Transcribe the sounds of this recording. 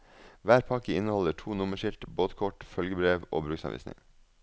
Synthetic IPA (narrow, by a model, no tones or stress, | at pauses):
ʋæːɾpʰɑkəɪnəhɔləʈʰuːnʊməʃɪlʈ̪boːt̪kʰɔʈfœlɡəbɾeːʋʔo̰ːbɾʉːksɑ̰ʋḭːsnɪ̰ŋ